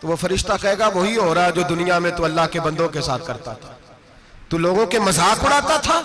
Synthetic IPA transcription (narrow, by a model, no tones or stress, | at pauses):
t̪oʋofɐɾɪʃt̪akɐɦeːɡaʋoɦiɦoːɾaad͡ʒoːd̪ʊnijamẽt̪uɐlːaɦkebɐ̃nd̪õkesa̰ːt̪ʰkɐɾt̪at̪ʰḁ | t̪uloːɡõkemɐzaːkʊɽaːt̪at̪ʰaː